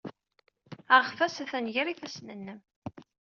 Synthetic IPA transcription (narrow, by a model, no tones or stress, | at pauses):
əʁfæsæθænʝəɾiθæsnənːəm